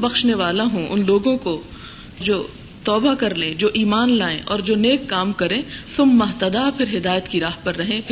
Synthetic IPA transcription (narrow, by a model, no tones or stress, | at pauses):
bɐxʃneʋaːlaɦũʔʊnloːɡõko | d͡ʒoː | t̪ɔːbakɐɾlẽːd͡ʒoːʔiːmaːnlaːḛ̃ʔɔːɾd͡ʒoːneːkːaːmkɐɾẽːsʊmːɐɦt̪ɐd̪apʰɪɾɦɪd̪aːjət̪kiɾaːɦpɐɾːɐɦẽː